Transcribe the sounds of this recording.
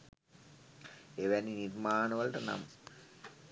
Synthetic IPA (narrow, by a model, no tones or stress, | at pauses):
eʋæninirmaːnəʋɐlʈəna̰mə